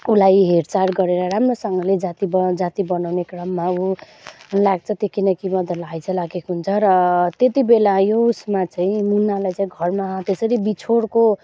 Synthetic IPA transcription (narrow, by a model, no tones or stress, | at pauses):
ulajɦeɾt͡saɾɡʌɾeɾʌɾamrosʌŋɡʌled͡zat̪ibʌd͡zat̪ibʌnawnekrʌmːau | laɡ̚t͡sʰʌt̪ekinʌkimʌd̪ʱʌlajt͡sʰʌlaɡekɦunt͡sʰʌɾʌt̪et̪ibelajousmat͡saĩmunːalajt͡saĩɡʱʌrmaɦʌ̃t̪esʌɾibit͡sʰoɽko